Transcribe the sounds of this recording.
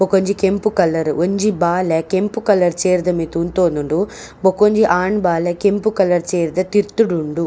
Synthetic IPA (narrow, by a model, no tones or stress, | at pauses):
bokoɲd͡ʒikempukɐlːɐɾoɲd͡ʒibaːlekempukɐlːɐɾt͡ʃeːɾd̪ɐmit̪unt̪oːnuɳɖu | bokoɲd͡ʒiʔaːɳbaːlekempukɐlːɐɾt͡ʃeːɾd̪ɐt̪iɾt̪uɽuɳɖu